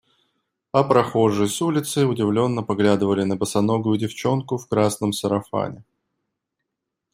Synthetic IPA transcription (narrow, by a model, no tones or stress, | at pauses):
ɐpɾɐxo̞ʐəjsulʲɪt̪səjʊdʲɪvlʲo̞nːəpɐɡlʲad̪ɨvəlʲɪnəbəsɐnoɡʊjʊdʲɪft͡ɕo̞nkʊfkɾasnəmsəɾɐfa̰nʲɪ